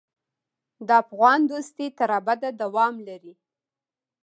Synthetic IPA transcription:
d̪əafɣɑnd̪ost̪it̪aɾabad̪ad̪awɑmlaɾi

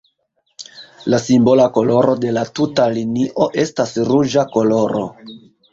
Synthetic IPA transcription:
lasimbo̞lako̞lo̞ɾo̞de̞latutaliniʔo̞ʔe̞stasɾud͡ʒako̞lo̞ɾo̞̰

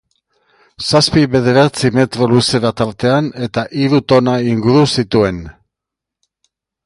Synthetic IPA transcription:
saspiβe̞ð̞e̞ɾat͡sime̞t̪ɾo̞luse̞ɾat̪aɾt̪e̞ane̞t̪aʔiɾut̪o̞naiŋɡuɾusit̪ue̞n

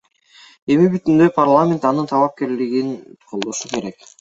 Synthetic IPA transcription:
e̞mibyt̪ynd̪ø̞jpʰarlˠamʲe̞nt̪ɑnɯnt̪ʰɑlˠɑp̚ke̞ɾliɡinqʰo̞lˠd̪o̞ʃuke̞ɾe̞k

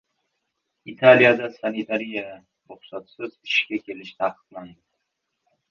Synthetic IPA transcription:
it̪ʰalijad̪asanit̪ʰaɾija | ɾʊχsɒt̪sɪzɪʃkʲakʲe̞lɪʃt̪ʰaqʰɨ̥d̪lˠand̪ɪ

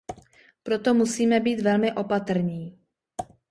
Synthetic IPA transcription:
pɾo̞t̪o̞musiːmɛbiːt̪vɛlmɪʔo̞pat̪r̩ɲiː

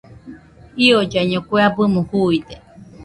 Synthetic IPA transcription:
iod͡ʒaiɲõkʷeabɨmũhuid̪e

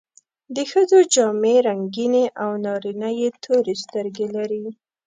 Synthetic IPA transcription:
d̪əxəd͡zod͡ʒɑmeɾaŋɡineʔawnɑɾinəjet̪ʰoɾest̪əɾɡelaɾi

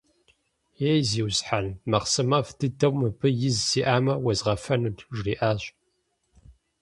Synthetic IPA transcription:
jejziːwsħanmɐqsɨmɐfdʰɨdɐwmɨbɨjɪzsiːʔaːmɐwɐzʁɐfɐnudʒriːʔaːɕ

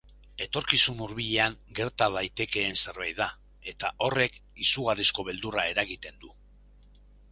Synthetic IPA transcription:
e̞t̪o̞ɾkisumuɾβiʎe̞aŋɡe̞ɾt̪aðajt̪e̞ke̞ːnse̞ɾβajða | e̞t̪aʔo̞re̞kisuɣ̞arisko̞β̞e̞ld̪urae̞ɾaɣit̪e̞nd̪u

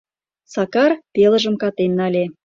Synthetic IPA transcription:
sɑkɑrpelə̆ʒə̆mkɑt̪enːɑlʲe

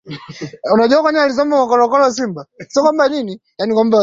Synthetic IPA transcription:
unaʄuakwaɲɛalis̬ɔmbaakɔlɔkɔlɔs̬imbasiɔkwambanini | janikwamba

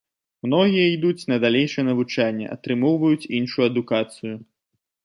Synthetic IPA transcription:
mnɔɣʲijɐid̪ut͡sʲnɐd̪alʲejʂɐjɛnɐvut͡ʂanʲːɛ̰ʔɐ̰t̪ɾɨmɔwvɐjut͡sʲinʂujuɐd̪ukat̪sɨju

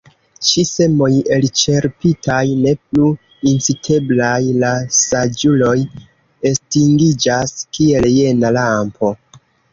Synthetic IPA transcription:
t͡ʃise̞mo̞je̞lt͡ʃe̞ɾpitʰajne̞plu | int͡sitʰe̞blajlasad͡ʒulo̞j | e̞stiŋɡid͡ʒaskie̞lje̞nalampo̞

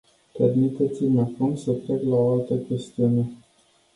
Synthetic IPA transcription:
pe̞rmit̪e̞t̪simakumsət̪ɾeklaoalt̪əkʲe̞st̪iune̞

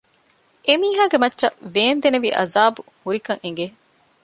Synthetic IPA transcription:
ʔemiːɦaːɡemɐtːʃɐʋeːnd̪eneʋiːʔɐ̰zaːbu | huɾikɐŋeŋ̆ɡe

